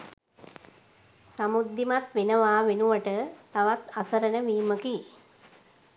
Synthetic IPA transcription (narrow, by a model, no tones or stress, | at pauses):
samud̪ːimat̪ʋenəʋaːʋenuʋəʈət̪aʋat̪asəɾənəʋiːməki